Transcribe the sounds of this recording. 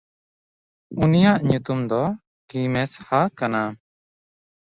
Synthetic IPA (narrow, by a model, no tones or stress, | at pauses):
unijaʔɲut̪umd̪ɔ | kimɛshakana